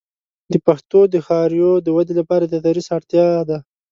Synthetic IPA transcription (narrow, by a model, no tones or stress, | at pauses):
d̪əpaxt̪od̪əxɑɾjod̪əwad̪elapɑɾad̪ad̪aɾisaɽt̪jɑd̪a